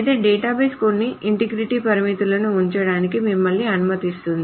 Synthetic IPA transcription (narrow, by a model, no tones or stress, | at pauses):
jt̪e̞ːɖɛːʈaːbeːskonːiʔiɳʈiɡɾiʈipɐɾimit̪ulɐnuːɲt͡ʃɐɽaːnikimimːɐɭːiɐnumɐt̪ist̪und̪i